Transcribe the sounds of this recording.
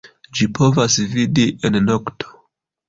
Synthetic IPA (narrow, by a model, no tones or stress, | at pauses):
d͡ʒipʰo̞vasvidiʔennoktʰo̥